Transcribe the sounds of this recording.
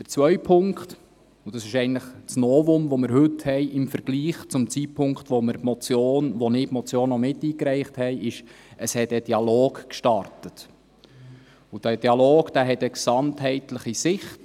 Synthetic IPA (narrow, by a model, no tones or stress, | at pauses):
d̥əɾt͡sʋœʏpʰʊŋkt | ud̥ɑsɪʃɛɪnləχt͡snɔːvʊmʋɔməɾɦɵthɛɪʔɪmfəɾɡ̥liːχt͡sʊmt͡sit̚pʰʊŋkχt̪ʋɔməɾmɔt͡sjoːnʋɔnɪːpmɔt͡sjoːnːɔmɪtiːkɾɛɪχthɛjʔɪʃ | əshɛtəd̥iɑloːɡkʃtɑɾtət | ud̥æd̥iɑloːɡ̥d̥æɦɛtəksɑnthɛɪtləχisɪχt